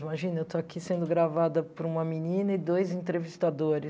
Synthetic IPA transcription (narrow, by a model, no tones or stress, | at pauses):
imaʒĩnɐewt̪oakʰisẽnd̪ʊɡɾavad̪ɐpʊɾũmɐminĩnɐɪd̪ojzẽt̪ɾevist̪ad̪oɾɪ